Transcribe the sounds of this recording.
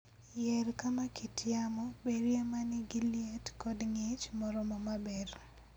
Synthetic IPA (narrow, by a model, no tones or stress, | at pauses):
jɛlkamakitʰjamɔbeɾjemanɪɡiljetkɔdŋet͡ʃmɔɾɔmɔmabɛr